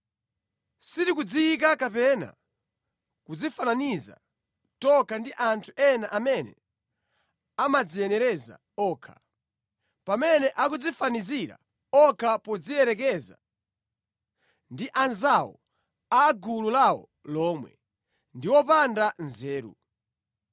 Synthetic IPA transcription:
sitikud͡ziːk̬akapɛna̰ | kud͡zifananiza̰ | tɔkandiʔantʰuʔɛnaʔamɛnɛ̰ | amad͡ziɛnɛɾɛza̰ | ɔːkʰḁ̰ | pamɛnɛʔakud͡zifaniziɾa̰ | ɔkʰapɔd͡zijɛɾɛk̬ɛza̰ | ndiʔanzawɔ̰ | aɡululawɔ̰ | lɔːmwɛ̰ | ndiwɔpandanzɛːɾṵ

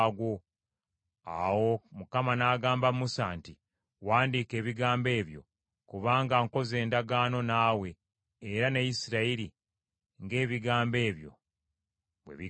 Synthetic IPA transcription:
ɡwo̞ | a̰wo̞mukamanaːɡaːmbamusaːnti | waːndiːke̞ːβiɡaːmbe̞ːβjo̞̰ | kuβaːŋɡaŋko̞ze̞ːndaɡaːno̞naːwe̞ː | ɾanajisiɾaiɾi | ŋɡe̞ːβiɡaːmbe̞ːβjo̞̰ | βwḛβi

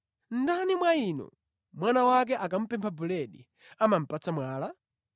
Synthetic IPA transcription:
n̩danimwaiːnɔ̰ | mwanawak̬ɛʔakam̩pɛmpʰabulɛɗḭ | amam̩pat͡samwaːla

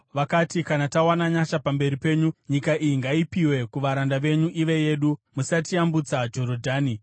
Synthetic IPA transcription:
ʋakatikanatawanaɲaʃapambe̞ɾipe̞ːɲuɲikaʔijiŋɡaipiwe̞kuʋaɾandaʋe̞ɲuʔiʋe̞je̞ːɗumusatiambut͡sad͡ʒo̞ɾodʱaːni

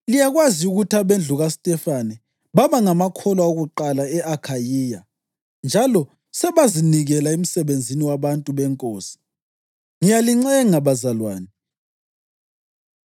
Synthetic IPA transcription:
lijaɣwaziuɣutʰaβend͡ɮʱuɣasitʼɛfanɛ | βaβaŋamakʰɔlwaoɣuǃalaɛʔakʰajiːja | nd͡ʒʱalɔ | sɛβaziniɣɛlaem̩sɛβend͡zʱiniwaβantʼuβɛŋkʼoːsi̥ | ŋijaliŋ͡ǀɛŋaβazalwa̰ːnɛ

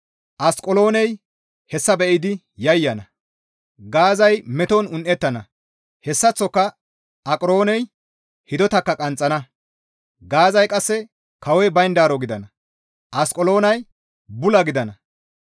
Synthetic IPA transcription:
ʔɐskʼɔlo̞ːnɛj | hɛsːɐbɛʔɪd̪ɪ | jɐjːɐnɐ | ɡaːzɐjmɛt̪ɔnʊnʔɛt̪ːɐnɐ | hɛsːɐt͡sːɔkːɐ | ɐkʼɾo̞ːnɛj | hɪd̪ɔt̪ɐkːɐkʼɐnt͡sʼːɐnɐ | ɡaːzɐjkʼɐsːɛ | kɐwɛbɐjnd̪aːɾɔɡɪd̪ɐnɐ | ʔɐskʼɔlo̞ːnɐj | bʊlɐɡɪd̪ɐnɐ

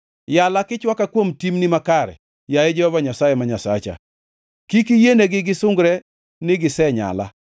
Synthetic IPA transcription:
jalakɪt͡ʃwakakwomtimnimakaɾɛ̰ | jajed͡ʒɛhɔvaɲasajɛmaɲasa̰t͡ʃa̰ | kikijeneɡɪɡɪsʊŋɡɾɛ | nɪɡɪsɛɲa̰la̰

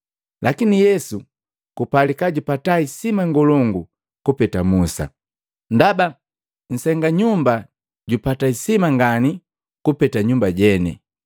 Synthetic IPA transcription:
lʔakinijɛsu | kupalikaɟupataisimaŋɡɔlɔŋɡu | kupɛtamusa̰ | ndaba | ɲ̩sɛŋɡaɲumba | ɟupataisimaŋɡani | kupɛtaɲumbaɟɛnɛ̰

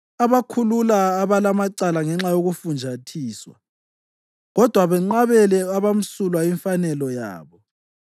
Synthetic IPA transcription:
aβakʰululaːβalamaǀalaŋɛŋ͡ǁajoɣufund͡ʒʱatʰiːswa̰ | ɣɔd̥ʱwaβɛŋ͡ǀaβɛlɛaβam̩sulwaiɱfanɛlɔja̰ːβɔ

